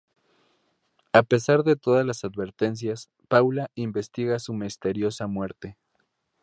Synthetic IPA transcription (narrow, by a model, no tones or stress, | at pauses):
ape̞saɾðe̞t̪o̞ðazlasaðβe̞ɾt̪e̞ns̬jas | pawlaimbe̞st̪iɣasumist̪e̞ɾjo̞samwe̞ɾt̪e̞